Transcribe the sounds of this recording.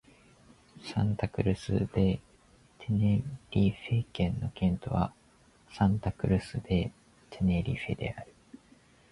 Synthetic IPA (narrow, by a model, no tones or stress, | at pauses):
sãnt̪akɯ̟ɾɯ̟sɨ̰d̪̥e̞ | t̪ʰe̞neɾʲiɸe̞kẽ̞nːo̞kẽ̞nt̪o̞βa | sãnt̪akɯ̟ɾɯ̟sɨd̪e̞ | t̪ʰe̞ne̞ɾʲiɸe̞̰d̪e̞̰aɾɯ̟